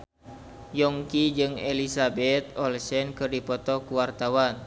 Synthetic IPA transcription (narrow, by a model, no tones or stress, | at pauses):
jɔŋkid͡ʒɨŋḛlisabɛt̪̚ɔlsɛnkɨrdipɔt̪ɔkuwart̪awan